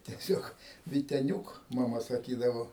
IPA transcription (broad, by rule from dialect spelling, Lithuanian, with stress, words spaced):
tʲɛˈsʲoːk ʋʲɪtʲɛˈnʲuːk mɐˈmɐ sɐˈkʲiːdɐʋoː